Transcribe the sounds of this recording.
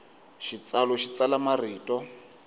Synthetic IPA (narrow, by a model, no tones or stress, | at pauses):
ʃit͡salɔʃit͡salamariːtʼɔ